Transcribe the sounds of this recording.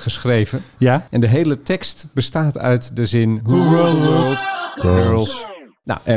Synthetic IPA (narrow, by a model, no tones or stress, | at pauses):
χəsχrejvəjaɛndəɦejlətɛkstb̥əstaːtʰœ̰ɥtdəzɪnɦuotːəɹlˠs | na̰ʔɛ